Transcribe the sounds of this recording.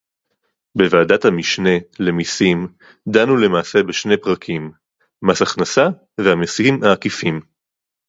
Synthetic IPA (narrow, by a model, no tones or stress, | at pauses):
be̞vaːdathamiʃne̞le̞misim | d̪anule̞maːse̞beʃne̞jpʁakʰimː | asaχnasa | vehamishimaːkifim